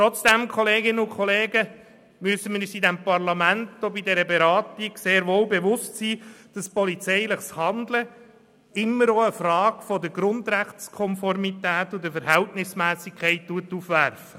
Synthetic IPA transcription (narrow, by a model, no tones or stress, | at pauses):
t̪ɾɔt͡sd̥ɛmkʰɔleːɡɪnəʊkʰɔleːɡə | myəsəmiɾysidɛmpɑɾlɑmæntobid̪ɛɾəbɛɾɑːtiɡ̥seːɾʋoːlbɛʋʊstsiːd̥ɑspɔlit͡sɛɪləχshɑnd̪lə | ɪmːəɾoəfɾɑːɡfɔdəɡɾʊnd̪ɾæχtskʰɔnfɔɾmitæːt̪ʊd̥əfəɾhɛltnɪsmæːsikʰɛɪttuətːuːfʋæɾfə